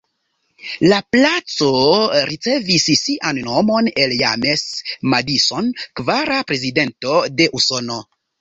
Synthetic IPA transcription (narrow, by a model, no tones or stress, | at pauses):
laplat͡so̞ɾit͡se̞vissiʔanːo̞mo̞ne̞ljame̞smadiso̞nkvaɾapɾe̞zide̞nto̞de̞ʔuso̞no̞